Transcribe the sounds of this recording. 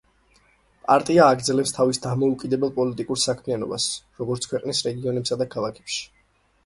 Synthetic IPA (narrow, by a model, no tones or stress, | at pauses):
pʼa̰ɾt̪ʼiaːɡɾd̪zɛlɛpst̪ʰavisd̪amɔukʼid̪ɛbɛlˠpʼɔlit̪ʼikʼuɾsakʰmianɔ̰ba̰sɾɔɡɔɾt̪sʰkʰwɛqʼnisɾɛɡiɔnɛpsad̪akʰalˠakʰɛ̥pʃi̥